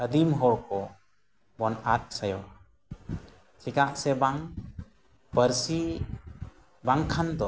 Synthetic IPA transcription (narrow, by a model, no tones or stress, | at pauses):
əd̪imɦɔɽkɔ | bɔnat̪̚sajɔ | t͡ʃikaʔsɛbaŋ | bəɾsi | baŋkʰand̪ɔ